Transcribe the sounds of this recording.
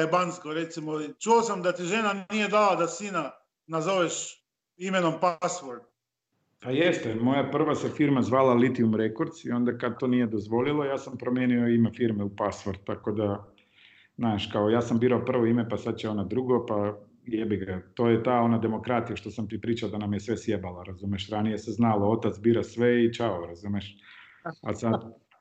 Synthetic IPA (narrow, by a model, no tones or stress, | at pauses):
ajebanskoɾet̪simoit͡ʃuosamd̪at̪iʒenannije̞d̪alad̪asiːna | nazoʋeʃ | imenompasʋoɾd̪̚ | pajest̪emo̞japr̩ʋasefiɾmazʋaːlalit̪iumɾekoɾd̪sio̞nd̪akad̪̚t̪onije̞d̪ozʋo̞lilˠo̞jaːsampɾomjeːnioimefiɾmeupasʋoɾd̪̚t̪ːakod̪a | znaːʃkaojaːsambiːɾaopr̩ʋoimepasad̪̚t͡ʃeo̞nad̪ɾuɡopa | jebiɡat̪oːjet̪aːo̞nad̪e̞mo̞kɾat̪ijaʃt̪o̞samt̪ipɾiːt͡ʃaod̪anamjesʋe̞sjebalaɾazumeʃɾanije̞seznaloo̞t̪at̪sbiːɾasʋeit͡ʃaoɾazumeʃ | asad̪